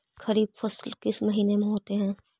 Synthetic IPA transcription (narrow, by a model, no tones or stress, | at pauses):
xɐɾiːbfɐslkɪsmɐɦiːnemẽɦoːt̪eɦɛ̃ː